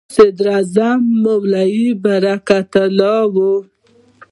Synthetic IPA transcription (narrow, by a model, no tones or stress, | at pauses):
sad̪ɾazamːawlajibaɾakat̪alɑwu